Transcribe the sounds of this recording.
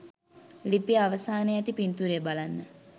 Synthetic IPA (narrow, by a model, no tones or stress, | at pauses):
lipijəaʋəsaːneæt̪ipint̪uɾebalanːə